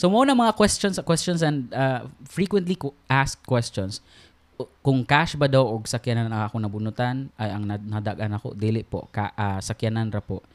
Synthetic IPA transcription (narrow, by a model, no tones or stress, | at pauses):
somɐʔonɐŋmɐŋakwɛst͡ʃonsɐkwɛst͡ʃonsɛnd̪afɹikwɛnt̪likʊʔaskkːwɛst͡ʃons | kʊŋkaʃbɐd̪awʔoɡ̚sɐkjananɐŋɐkonɐbʊnʊt̪anɐjɐŋnanɐɐd̪aɡʔanɐko̰d̪iːlɪʔpo̰kaʔasɐkjananɾɐpoʔ